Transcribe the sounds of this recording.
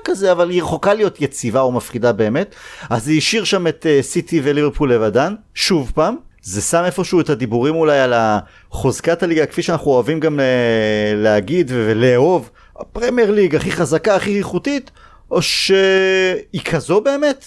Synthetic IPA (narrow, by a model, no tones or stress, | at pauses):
kazeavaliʁχo̞kalijo̞t̪jet͡sivaomafχidabe̞ːme̞t̪aziʃiʁʃame̞t̪sit̪ivelivepulːevadan | ʃuvpaːmzesame̞fo̞ʃuet̪ad̪ibuʁimulajala | χozkataliɡake̥fiʃeanaχuoavimɡamleleaɡid̪vevleːo̞v | pʁemieʁliɡaχiχazakaːχiiχutit | ʔo̞ʃeikʰazo̞be̞ːme̞t